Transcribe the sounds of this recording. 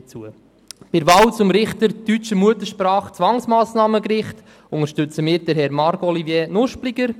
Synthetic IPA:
t͡suə | pɪɾʋɑːwt͡sʊmɾɪχt̪əɾtyt͡ʃəmuət̪əʃpɾɑːχt͡sʋɑŋsmɑːsnɑːməkɾɪχt | ʊŋəɾʃtʉt͡səmɪːɾd̥əɾɦɛɾmɑɾkɔlivjɛːnʊʃplɪɡəɾ

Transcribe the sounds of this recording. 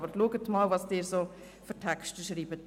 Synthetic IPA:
bəɾluəɡətmɑlvɑsd̥ɪːɾso | føɾtʰɛkʃtəʃɾiːbət

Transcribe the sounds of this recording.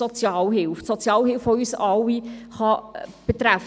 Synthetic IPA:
ɔt͡sjɑːlɦɪlfsɔt͡sjɑːlhɪlfʋoyːsɑwiχɑb̥et̪ɾæf

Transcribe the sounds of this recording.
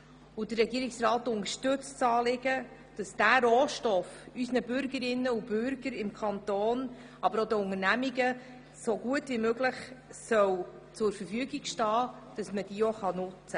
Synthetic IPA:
ʊd̥ərːɛɡiəɾɪksrɑːtʊŋəʃtɵt͡st͡sɑːlɪɡ̥ə | d̥ɑsd̥æɾoːʃtɔfysnəbʏɾɡəɾɪnːəub̥ʏɾɡ̥əɾɪmkʰɑnt̪oːn | ʔɑbəɾodəʊŋəɾnæmiɡə | soɡuətvimøɡləχsœw | t͡sʊɾfəɾfyəɡiɡ̥ʃtɑː | d̥ɑsməd̥iːoχɑnʊt͡sə

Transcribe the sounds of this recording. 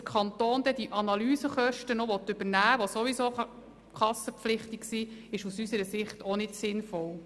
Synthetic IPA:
əkʰɑnt̪oːnd̥̪ɛd̥̪iʔɑnɑlyːzəχœʃtənoʋɔt̪ːʏbənæːʋosoʋiso | kʰɑsəpflɪχtiksiɪʃusysəɾəsɪχtʰɔnɪtsɪnfɔl

